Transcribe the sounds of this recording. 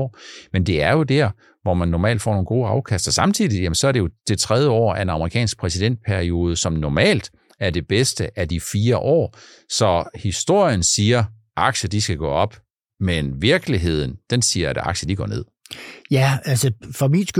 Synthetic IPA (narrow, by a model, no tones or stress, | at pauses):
mend̥e̝æɐjo̝d̥æɐ̰ | ʋɒmænːɒmɛ̰ːld̥fɒ̰ːno̝ːn̩ɡ̥o̝ːɑ̈ʊkʰæsd̥ɐsɑ̈mt͡sʰið̰ˠijæmənsɒ̽æɐɾ̥e̝o̝d̥e̝t͡sʰʁað̞ˠjəɒ̰ːæe̝nɑ̈məʁikʰɛ̰ːnsɡ̥̚pʰʁɛsid̥en̰d̥̚pʰæɐio̝ːð̞ˠəsɒ̽mnɒmɛ̰ːld̥ | æɐd̥e̝b̥esd̥əʔæd̥ifiːɐʔɒ̰ː | sɒ̽hisd̥o̝ɐ̰jənsiːɐ | ʔɑ̈ɡ̥ɕəd̥isɡ̥æɡ̥ɔ̰ːɒ̽b̥ | menʋiɐɡ̥liɦe̝ð̞̰ˠn̩d̥ensiːɐæɾ̥ɑ̈ɡ̥ɕəd̥iɡ̥ɒ̰ːne̝ð̰ˠ | jæælsəfɒminsɡ̥